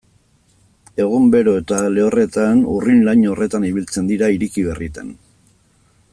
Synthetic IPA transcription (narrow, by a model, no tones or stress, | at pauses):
e̞ɣ̞umbe̞ɾo̞e̞t̪ale̞ore̞t̪anṵrinlaɲo̞re̞t̪aniβ̞ilt͡se̞nd̪iɾaiɾikiβe̞rit̪ḛn